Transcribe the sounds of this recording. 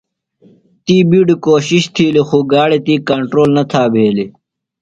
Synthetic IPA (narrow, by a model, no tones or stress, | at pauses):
t̪iːbiɖkoːɕiɕt̪ʰiːlexuɡaːɽet̪iːkɐɳʈɾoːlnɐt̪ʰaːbʱeːli